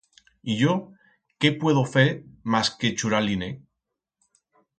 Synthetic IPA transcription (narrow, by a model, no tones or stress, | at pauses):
iʝo | ke̞pwe̞ðofeɾmasket͡ʃuɾaline